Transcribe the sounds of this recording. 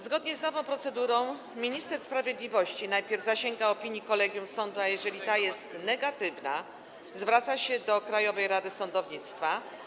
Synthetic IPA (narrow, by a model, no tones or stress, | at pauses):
zɡɔd̪ɲɛznɔvɔ̃w̃pɾɔt̪sɛd̪uɾɔ̃w̃ | mʲiɲist̪ɛɾspɾavʲjed̪lʲivɔɕt͡ɕinajpʲjɛɾvzaɕɛŋɡaɔpʲiɲjikɔlɛɡʲjumsɔnd̪uajɛʐɛlʲit̪ajɛst̪nɛɡat̪ɘvna̰ | zvɾat̪saɕɛd̪ɔkɾajɔvɛjɾad̪ɘsɔnd̪ɔvɲit̪st̪fa